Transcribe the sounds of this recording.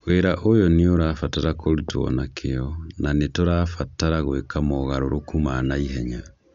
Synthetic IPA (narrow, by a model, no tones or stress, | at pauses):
ɣweɾaʔojɔneoɾaːfataɾakoɾitwɔ̰nakʰeɔnanetoɾaːfataɾaɣwekamɔɣaɾoɾokumanaiɦɛɲa